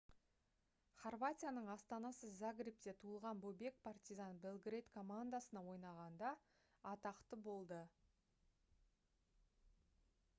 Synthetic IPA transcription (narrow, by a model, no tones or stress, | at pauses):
χorvat̪ʲijanəɴɑst̪ɑnɑsəzaɡɾip̚t̪e̞t̪ʰuəlˠʁɑnbobe̞k̚pʰart̪izanbelˠɡrejt̪kʰo̞mand̪asənɑwo̞jnɑʁɑnd̪ɑː | t̪ɑqt̪əbo̞lˠd̪ə